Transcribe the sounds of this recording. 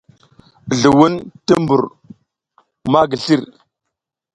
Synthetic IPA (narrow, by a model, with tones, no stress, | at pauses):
ɮu˨wu˦ntə˦mbu˨ɾ | ma˦ɡə˨ɬi˦ɾ